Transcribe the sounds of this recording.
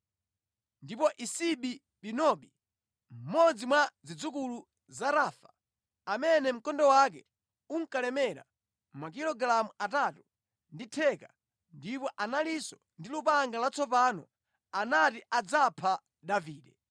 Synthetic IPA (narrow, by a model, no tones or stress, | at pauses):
ndipɔʔisiɓi | ɓinɔɓi | m̩mɔd͡zimwad͡zid͡zukulu | zaɾaːfḁ | amɛnɛm̩kɔndɔwak̬ɛ | uŋkalɛmɛɾa̰ | mak̬iɾɔɡlamuʔatatu | nditʰɛka | ndipɔʔanalisɔ | ndilupaŋɡalat͡sʰɔpanɔ̰ | anatiʔad͡zapʰa | ɗaviːɗɛ